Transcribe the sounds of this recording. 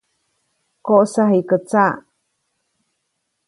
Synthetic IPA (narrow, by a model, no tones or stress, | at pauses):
koʔsaɦikət͡sa